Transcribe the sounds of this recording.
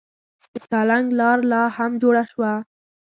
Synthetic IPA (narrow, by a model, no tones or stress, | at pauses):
d̪ət̪ɑlaŋɡlɑɾlɑhamd͡ʒoɽaʃwa